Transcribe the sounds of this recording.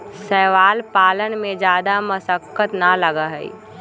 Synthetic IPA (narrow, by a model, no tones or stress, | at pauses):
sɛːʋaːlpaːlənmẽd͡ʒjaːd̪aməsəkːət̪naləɡaɦɛḭ